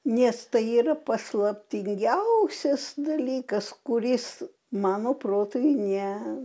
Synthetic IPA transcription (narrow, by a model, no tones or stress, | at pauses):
nʲɛst̪ɐɪiːrɐpɐslˠɐpʲt̪ʲɪŋʲɡʲɛʊsʲɛsd̪ɐlʲiːkɐskʊɾʲɪs | mɑːnoːproːt̪oːjnʲɛ